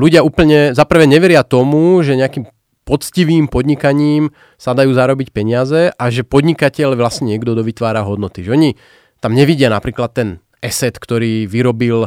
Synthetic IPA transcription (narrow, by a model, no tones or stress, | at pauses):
luɟɪauːpl̩ɲɛzapr̩ʋɛɲɛʋɛɾɪat̪ɔmuʒɛɲɛakiːm | pɔt͡sciʋiːmpɔd̪ɲikaɲiːm | sad̪ajuːzaɾɔbicpɛɲɪazɛʔaʒɛpɔd̪ɲikacɛʎʋlasɲɛɲɪɛɡd̪ɔd̪ɔʋit̪ʋaːɾaɦɔd̪nɔt̪iʒɛɔɲi | t̪amɲɛʋiɟɪanapɾiːklat̪ːɛn | ʔɛsɛt̪kt̪ɔɾiːʋiɾɔbil